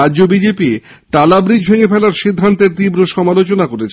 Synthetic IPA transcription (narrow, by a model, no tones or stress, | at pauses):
adːʑobid͡ʑepi | ʈalabɾid͡ʑʱbʱeŋefɛlaɾʃid̪ʱːant̪eɾt̪ibɾoʃɔmalot͡ɕonakoɾet͡ɕʰ